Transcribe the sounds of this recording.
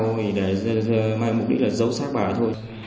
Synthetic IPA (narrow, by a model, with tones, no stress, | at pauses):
wʰi˨˩ɗe˧˩˧maː˧jm˨˩k͡p̚ɗi˦˥laː˨˩zə˨˦wsaː˦˥k̚ɓaː˧˩t̪ʰo˧j